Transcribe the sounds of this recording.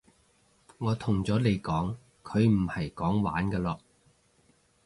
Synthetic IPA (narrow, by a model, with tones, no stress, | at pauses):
ŋɔː˨˧t̪ʰʊ˨˩ŋt͡sɔː˨˥le˨˧jkɔː˨˥ŋ | kʰɵ˨˧ɥm̩˨˩hɐ˨˩jkɔː˨˥ŋwa̰ː˨˥nkɐː˧lɔː˧